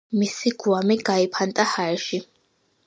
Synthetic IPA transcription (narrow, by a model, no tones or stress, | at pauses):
misiɡuamiɡaipʰant̪ʼahaɾɛʃi